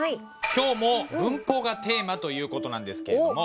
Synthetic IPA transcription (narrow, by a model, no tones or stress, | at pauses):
ai | kʲo̞ːmo̞bɯ̟̃mpo̞ːɡat̪e̞ːmat̪o̞jɯ̟ːko̞t̪o̞nãnd̪e̞sɨ̥ke̞ed̪omo